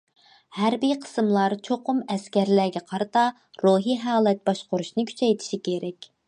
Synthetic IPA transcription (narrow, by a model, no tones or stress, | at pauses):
hæɾbijqʰə̥sɨmlˠɑɾt͡ʃʰoqʰʊmɛskʲæɾlæɡʲɛqʰɑɾɨt̪ɑ | ɾoɦiɦɑɑːlˠɛt̪̚bɑʃqʊɾuʃnɨkʲʰy̥t͡ʃʰɛjt̪ʰi̥ʃikʲʰeɾɛkʲ